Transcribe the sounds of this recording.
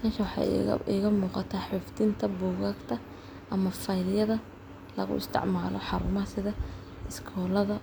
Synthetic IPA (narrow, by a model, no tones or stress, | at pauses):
kʰɐʃɐwɑħɑ̰ɪɣɐmuːqɑt̪ʰaːħɪfd̪ɪnt̪ʰɐbuːɣaːɡt̪ʰɐ | ʔɐmɐfɐjljɐðɐ | lɐ̰ɣʊ̰ɪ̰st̪ʰɪ̰ʕmaːlɔ̰ħɑɾʊmɐsɪðɐ | ʔɪskʰɔːlɐðɐ